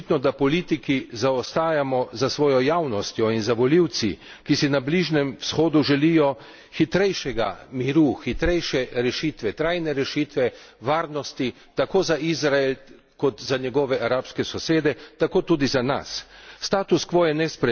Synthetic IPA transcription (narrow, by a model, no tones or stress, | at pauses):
t̪nɔd̪apɔliːt̪ikizaɔst̪aːjamɔzasʋɔːjɔjawnɔst̪jɔinzaʋɔliw̪sḭ | kisinabliʒnɛmwsxoːd̪uʒɛlijɔ | xit̪ɾɛjʃɛɡamiɾuxit̪ɾɛjʃɛɾɛʃit̪ʋɛt̪ɾajnɛɾɛʃiːt̪ʋɛ | ʋaːɾnɔst̪i | t̪akoːzaizɾael | kɔt̪zaɲɛɡɔʋɛʔaɾaːpskɛsɔseːd̪ɛt̪akoːt̪uːd̪izana̰sːt̪aːt̪uskʋojɛnɛspɾɛ